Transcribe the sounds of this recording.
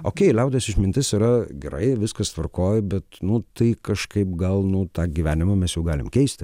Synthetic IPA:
oːkʲɛɪlʲɛʊd̪ʲeːsɪʃmʲɪnʲt̪ʲɪsiɾɐɡʲɛɾɐ̰ɪʋʲɪskɐst̪ʋɐrkoːjɪbʲɛt̪nʊt̪ɐɪkɐʃkɐɪpɡɐlˠnʊt̪ɑːɡʲiʋʲæːnʲɪmɐmʲɛsjɛʊɡɑːlʲɪmkʲɛɪsʲt̪ʲɪ

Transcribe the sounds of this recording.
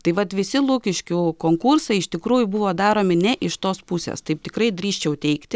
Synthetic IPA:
t̪ɐɪʋɐt̪ʋʲɪsʲɪlˠuːkʲɪʃʲkʲʊkoːŋkursɐɪɪʃt̪ʲɪkɾuːjʊbʊʋoːd̪ɑːɾoːmʲɪnʲɛʔɪʃt̪oːspusʲḛːst̪ɐɪp̚t̪ʲɪkɾɐɪd̪ʲɾʲiːʃʲt͡ʃʲɛʊt̪ʲɛɪkt̪ʲɪ

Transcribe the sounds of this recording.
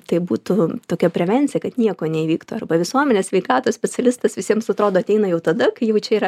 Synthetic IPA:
t̪ɐɪbuːt̪ut̪oːkʲɛpʲɾʲɛʋʲɛnʲt͡sʲɪjɛkɐt̪nʲiɛkoːnʲɛiːʋʲiːkt̪uːɐrbɐʋʲɪsuɔmʲɛnʲeːsʲʋʲɛɪkɑːt̪oːsʲpʲɛt͡sʲɛlʲɪst̪ɐsʋʲɪsʲiɛmsɐt̪ɾoːd̪oːɐt̪ʲɛɪnɐjɛʊt̪ɐd̪ɐkɐɪjɛʊt͡ʃʲɛiːɾɐ

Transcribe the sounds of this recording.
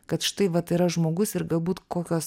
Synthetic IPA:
kɐt̪ʃʲɪ̥t̪ɐɪʋɐt̪iɾɐʒmoːɡʊsɪɾɡɐlˠbuːt̪koːkʲoːs

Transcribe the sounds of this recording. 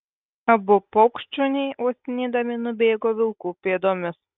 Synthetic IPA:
ɐbʊpɔʊkʃʲt͡ʃʲʊnʲɛɪʔoːsʲɪnʲiːd̪ɐmʲɪnʊbʲeːɡoːʋʲɪlˠkuːpʲeːd̪oːmʲɪs

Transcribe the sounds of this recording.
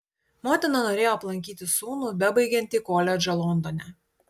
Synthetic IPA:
mɔːt̪ʲɪnɐnoːɾʲeːjoːɐplˠɐŋʲkʲiːt̪ʲɪsuːnuːbʲɛbɐɪɡʲɛnʲt̪ʲiːkoːlʲɛd͡ʒʲɐlˠɔnd̪onʲɛ

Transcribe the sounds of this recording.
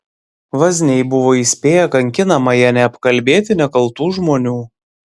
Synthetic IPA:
ʋɐzʲnʲɛɪbʊʋoːiːsʲpʲeːjɛkɐŋʲkʲɪnɐmɐjɛnʲɛɐpkɐlʲbʲeːt̪ʲɪnʲɛkɐlˠˑt̪uːʒmoːnʲuː

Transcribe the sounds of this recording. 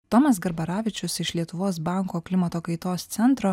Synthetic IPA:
t̪ɔmɐs̬ɡɐɾbɐɾɑːʋʲɪt͡ʃʲʊsɪʃlʲiɛt̪ʊʋoːs̬bɑˑŋkoːklʲɪmɐt̪oːkɐɪt̪oːst̪sʲɛnt̪ɾoː

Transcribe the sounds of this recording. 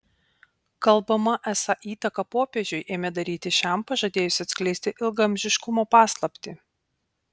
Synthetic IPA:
kɐlˠbɐmɐʔæsɐʔiːt̪ɐkɐpoːpʲeʒʲʊɪʔeːmʲɛd̪ɐɾʲiːt̪ʲɪʃʲɛˑmpɐʒɐd̪ʲeːjʊsʲɪɐt̪sʲkʲlʲɛɪsʲt̪ʲɪʔɪlˠɡɐmʲʒʲɪʃkʊmoːpɑːslˠɐpʲt̪ʲɪ

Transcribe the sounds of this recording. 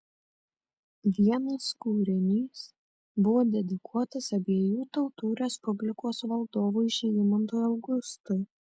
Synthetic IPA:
ʋʲiɛnɐskuːɾʲɪnʲiːs | bʊʋoːd̪ʲɛd̪ʲɪkʰuɔt̪ɐsɐbʲeɛjuːt̪ɔʊt̪uːɾʲɛspʊbʲlʲɪkoːsʋɐlˠd̪oːʋuːɪʃʲɛɪmɐnt̪oːjɐʊɡʊst̪ʊ

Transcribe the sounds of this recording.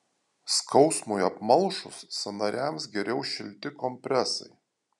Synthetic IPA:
skʰɒʊsmʊjɐpmɐlˠˑʃʊsːɐnɐɾʲæˑmsɡʲɛɾʲɛʊʃʲɪlʲt̪ʲɪkɔmʲpʲɾʲɛsɐ̰ɪ

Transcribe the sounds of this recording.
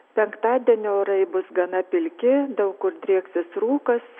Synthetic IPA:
pʲɛŋkt̪ɑːd̪ʲiɛnʲɪoːɾɐɪbʊsɡɐnɐpʲɪlʲkʲɪd̪ɐʊkkʊɾd̪ʲɾʲiɛksʲɪsɾuːkɐs

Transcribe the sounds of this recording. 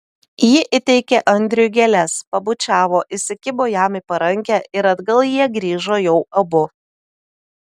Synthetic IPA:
jɪʔɪt̪ʲɛɪkʲeʔɐnʲd̪ʲɾʲɪjʊɡʲɛlʲɛspɐbʊt͡ʃʲæːʋoːʔɪsʲɪkʲɪboːjæːmʲɪpɐɾɐŋʲkʲæːɪɾɐd̪ɡɐlˠjiɛɡɾʲiːʒoːjɛʊɐbʊ

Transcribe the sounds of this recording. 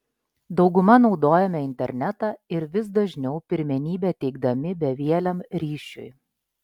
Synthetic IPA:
d̪ɒʊɡʊmɐnɒʊd̪oːjɛmʲɛɪnʲt̪ʲɛɾʲnʲɛt̪ɑɪɾʋʲɪs̬d̪ɐʒʲnʲɛʊpʲɪɾʲmʲɛnʲiːbʲɛt̪ʲɛɪɡ̚d̪ɐmʲɪbʲɛʋʲiɛlʲɛmɾʲiːʃʲʊ̰j

